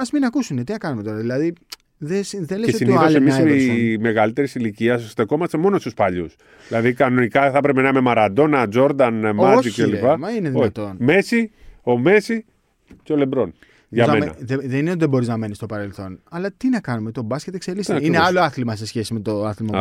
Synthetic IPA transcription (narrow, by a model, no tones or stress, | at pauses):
ɐzminɐkusune̞t̪inɐkɐnume̞t̪o̞ɾɐðilɐði | ðesiðe̞leesesinolsemissme̞ɣɐlit̪e̞ɾisiliciɐsst̪eko̞mɐst̪emo̞no̞st̪uspɐʎṵs | ðilɐðikɐno̞nikɐθɐpɾepenɐmemɐɾɐd̪o̞nɐd͡zo̞ɾd̪ɐnmɐielipɐmɐineðiont̪o̞nme̞sio̞me̞si | ceole̞mbɾo̞n | ʝɐmemn̰ðeðeninet̪ðebo̞ɾiznɐme̞nist̪o̞pɐɾe̞lθo̞nɐlɐt̪inɐkɐnume̞t̪o̞bɐsce̞t̪e̞kse̞lisineɐlo̞ɐθlimɐse̞sçe̞sime̞t̪o̞ɐθlimɐ